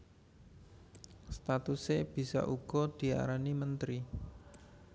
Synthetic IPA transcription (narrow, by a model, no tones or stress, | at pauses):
st̪at̪useb̥i̤sa̰ʔuɡ̥ɔ̤d̪̥i̤a̰ɾanimənt̪ɾi